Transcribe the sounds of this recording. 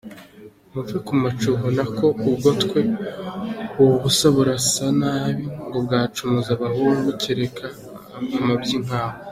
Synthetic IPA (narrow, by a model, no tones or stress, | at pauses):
muvekumat͡ʃuɦonako̞ubɡo̞tkwe̞ | uβusaβuɾasanaːβiŋɡo̞bɡaːt͡ʃumuzaβaɦuːŋɡuciɾekʰa | amabɟiŋ̥aːho